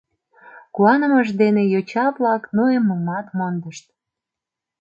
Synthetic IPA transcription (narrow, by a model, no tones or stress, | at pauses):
kuɑnə̆məʃd̪enejot͡ɕɑβlɑknuemːəmɑt̪mond̪əʃt̪̚